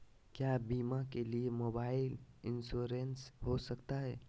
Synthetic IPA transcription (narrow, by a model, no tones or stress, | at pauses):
kjaːbiːmãkeliemoːbaːɪlɪnsuːɾensɦosəkt̪aɦɛː